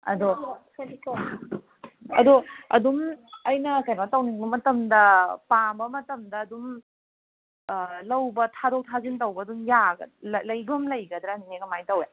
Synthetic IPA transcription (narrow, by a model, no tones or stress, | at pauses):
ɐ̰do | ɐ̰doɐ̰dumɐjnɐkajmatɐwniŋbɐmɐtɐmdɐpambɐmɐtɐmdɐːdum | lɐwbɐtʰadowtʰazintɐwbɐːdumjaɡɐ̰llɐjbɐmlɐjɡɐd̪ɾɐniŋeɡɐmajtɐwja